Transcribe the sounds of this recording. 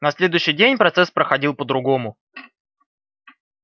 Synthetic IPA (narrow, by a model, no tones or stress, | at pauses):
nɐsʲlʲe̞d̪ʊjʏɕːɪjdʲenʲpɾɐt̪sɛspɾəxɐdʲilˠpəd̪ɾʊɡo̞mʊ